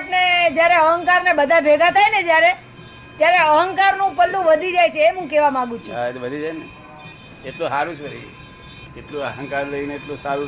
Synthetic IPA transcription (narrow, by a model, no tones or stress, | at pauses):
ʈned͡ʒjaɾeəɦəŋkaɾnebəd̪ʱabʱeɡʱat̪ʰajned͡ʒjaɾe | t̪jaɾeəɦəŋkaɾnũpəlːũʋəd̪ʱid͡ʒajt͡ʃʰeːmɦũkɛʋamãɡũt͡ʃʰuaʋəd̪ʱid͡ʒajne | eʈlũɦaɾũt͡ʃʰʋəɾḭd͡ʒḛ | eʈlũəɦə̃ŋkaɾləineːʈlõsaɾũ